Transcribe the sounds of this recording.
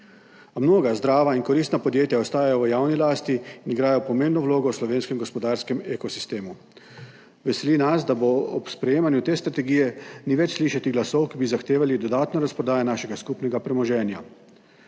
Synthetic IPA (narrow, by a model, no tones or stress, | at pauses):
mnoːɡazd̪ɾaːʋainkɔɾist̪napɔd̪jeːt̪jaɔst̪aːjajɔʋəjaːwnilaːst̪iːniɡɾaːjɔpɔmeːmbnɔwloːɡɔwslɔʋeːnskɛmɡɔspɔd̪aːɾskɛmekɔsi̥st̪eːmu | ʋɛsɛliːnasd̪aboɔpspɾɛjeːmanjut̪eːst̪ɾat̪ɛɡijɛniʋɛt͡ʃsliːʃat̪iɡlasɔwkibizaxt̪eːʋalid̪ɔd̪aːt̪nɔɾaspɾɔd̪aːjanaːʃɛɡaskupnɛɡapɾɛmɔʒɛːnja